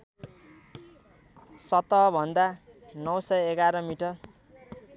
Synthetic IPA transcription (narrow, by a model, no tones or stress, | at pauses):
sʌt̪ʌbʱʌnd̪a | nʌwsʌjeɡaɾʌmiʈʌr